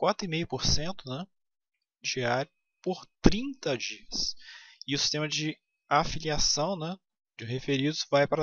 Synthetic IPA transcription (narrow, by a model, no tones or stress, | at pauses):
kwat̪ɾʊimejʊpoɾsẽnt̪ʊnɛ | d͡ʒiaɾjʊ | poɾt̪ɾĩnt̪ɐd͡ʒiɐsɪʊsi̥st̪ẽmɐd͡ʒɪ | afiliasɐ̃w̃nɛ̃ | d͡ʒɪɦefeɾid̪ʊzvajpɾɐ